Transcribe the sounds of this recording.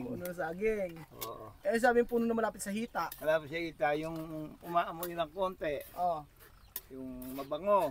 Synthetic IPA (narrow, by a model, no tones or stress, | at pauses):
unos̬aɡɪŋʔɛs̬aːbɪŋpuːnʊnɐmɐlaːpɪt̪sɐɦiːt̪aʔmɐlapɪt̪sahit̪ajʊŋumaʔmojunakont̪eʔo | jʊŋmabaŋo